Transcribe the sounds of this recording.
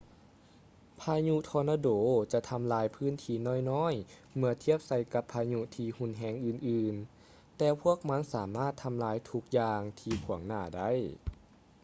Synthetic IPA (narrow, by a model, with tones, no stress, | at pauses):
pʰaː˧ɲu˧t̪ʰɔː˧naː˧doː˩˦t͡ɕa˧ʔt̪ʰa˧mlaː˧˥jpʰɯː˧˥˩nt̪ʰiː˧nɔː˧˥˩jnɔː˧˥˨j | mɯ˧ɐt̪ʰi˥˩əp̚sa˧˩jka˧pʰːaː˧ɲu˧t̪ʰiː˧hu˧˨nɦɛː˧˥ŋʔɯː˧nʔɯː˧n | t̪ɛː˧pʰu˥˩ək̚ma˧˥nsaː˩˦maː˥˩t̪ʰːa˧mlaː˧˥jt̪ʰu˧˥k̚jaː˧ŋt̪ʰiː˧kʰu˨˩˦əŋnaː˧˩da˥˨j